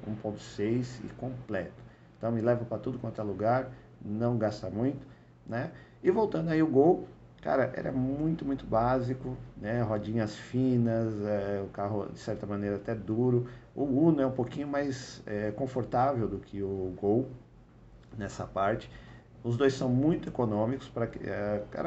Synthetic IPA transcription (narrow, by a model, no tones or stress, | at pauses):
ṵ̃põnt̪ʊ̥sejsɪ̰kõplɛt̪ʊ̥ẽt̪ɐ̃w̃mɪlɛvɐpɾɐt̪ud̪ʊkõt̪ɛluɡaɾ | nɐ̃w̃ɡast̪ɐmũj̃t̪ʊ̥ | nɛ | ɪvowt̪ɐ̃nd̪ʊaiʊɡow | ka̰ɾɐʔɛ̰ɾɐ̰mũj̃t̪ʊmũj̃t̪ʊbazikʊnɛɦɔd͡ʒĩɲɐsfĩnɐzɛʊkaɦʊd͡ʒɪsɛɾt̪ɐmɐ̃nejɾɐat̪ɛd̪uɾʊʊɡũnʊɛũpokĩɲʊmajsɛkõfoɾt̪avewd̪ʊkʰɪʊɡow | nɛsɐpaɾt͡ʃɪ̥ | ʊzd̪ojsɐ̃w̃mũj̃t̪ʊekonõmikʊ̥spɾɐkɛka̰ɾɐ